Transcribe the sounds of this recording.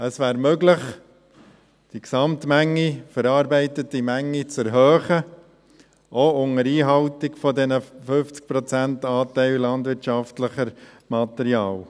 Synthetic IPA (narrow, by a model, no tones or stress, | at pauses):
əsʋæːɾmøɡləχ | d̥iksɑmtmæŋːifəɾɑːɾbɛɪtətimæŋːit͡sɛɾɦœːχə | ʔoʊŋəɾiːɦɑltɪkfɔdɛnəfɵft͡sk̚pɾɔt͡sæntɑːtɛɪllɑndʋɪɾtʃɑftləχəɾ | mɑt̪ɛɾiɑːl